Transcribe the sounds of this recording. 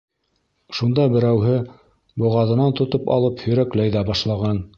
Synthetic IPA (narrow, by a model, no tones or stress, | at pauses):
ʃund̪ɑbɘ̆ɾæwɦɘ | bŏʁɑðɤ̆nɑnt̪ŏt̪opɑ̰lˠɤphɵ̆ɾæklæjðæbɑʃlˠɑʁɑn